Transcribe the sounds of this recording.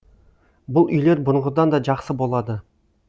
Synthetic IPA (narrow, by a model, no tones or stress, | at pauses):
bʊlˠʏ̰jle̞ɾbʊnʁʊd̪ɑnd̪ɑʒɑqsəbo̞lˠɑd̪ə